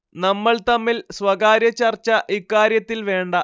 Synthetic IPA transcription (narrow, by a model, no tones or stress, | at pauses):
nɐmːɐɭt̪ɐmːilsʋɐɣaːɾjɐt͡ɕːɐrt͡ɕːɐʔikːaːɾjɐt̪ːilʋe̞ːɳɖɐ